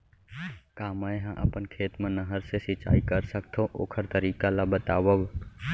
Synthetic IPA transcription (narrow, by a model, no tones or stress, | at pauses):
kaːmaːẽɦãʔə̰pənkʰeːt̪mẽnəɦəɾsesɪt͡ʃa̰ːikəɾsəkt̪ʰoʔo̰ːkʰəɾt̪əɾiːkalabət̪aːʋəʋ